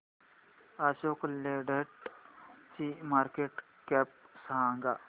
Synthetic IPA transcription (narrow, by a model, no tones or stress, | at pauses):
aːsoːkleɖəʈ | t͡ʃimaːɾkeʈ | kɛːp̚saaŋɡa